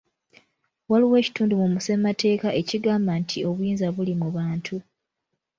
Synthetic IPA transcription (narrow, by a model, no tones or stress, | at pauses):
waliwe̞ci̥tuːndumumuse̞mate̞ːkaʔe̞ciɡaːmbantʰio̞βujiːnzaβulimuβaːntʰu